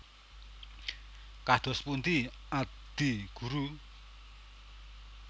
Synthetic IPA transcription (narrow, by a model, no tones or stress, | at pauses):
kad̪̥ɔ̤spunt̪iad̪̥iɡ̥uɾu